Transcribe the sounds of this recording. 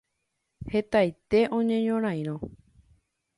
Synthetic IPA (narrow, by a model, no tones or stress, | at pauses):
he̞t̪ajt̪e̞ʔõ̞ɲẽ̞ɲõɾ̃ãj̃ɾ̃õ